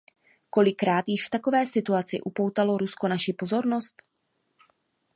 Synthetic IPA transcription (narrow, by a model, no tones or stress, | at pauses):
ko̞lɪkɾaːt̪jɪʃft̪ako̞vɛːsɪt̪uat͡sɪ̰ʔupo̞wt̪alo̞ɾusko̞naʃɪpo̞zo̞ɾno̞st̪